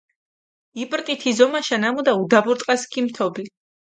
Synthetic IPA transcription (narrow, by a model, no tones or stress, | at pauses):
ipʼɾq̪ʼit̪ʰizɔmaʃanamud̪aud̪abuɾt̪ʼqʼaskʰimt̪ʰɔbli